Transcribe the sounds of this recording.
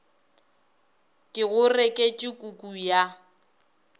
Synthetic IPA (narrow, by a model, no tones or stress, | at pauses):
kʼɪɣʊrɛkʼet͡ʃʼɪkʼukʼuja